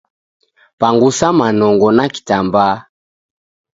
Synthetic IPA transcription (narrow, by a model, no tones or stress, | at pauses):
paŋɡusamanɔŋɡɔnaki̥tamba